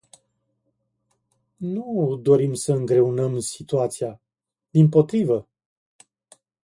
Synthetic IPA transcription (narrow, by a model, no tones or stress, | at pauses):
nud̪o̞ɾimsəɨŋɡɾe̞unəmsit̪uat̪sia | d̪impo̞t̪ɾivə